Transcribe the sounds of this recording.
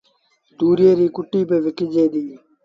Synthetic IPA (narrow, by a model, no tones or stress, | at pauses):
t̪uːɾjeːɾiːkʊʈːiːpeːʋɪkɪd͡ʒeːd̪iː